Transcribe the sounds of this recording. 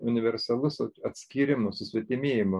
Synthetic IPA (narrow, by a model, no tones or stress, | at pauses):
ʊnʲɪʋʲɛɾʲsɐlˠʊsoɐt̪ʲsʲkʲiːɾʲɪmʊsʊsʲʋʲɛt̪ʲɪmʲeːjɪmʊ